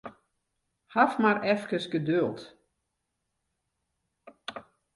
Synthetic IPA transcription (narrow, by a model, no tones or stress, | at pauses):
hafmaɾɛfkəsɡədølˠt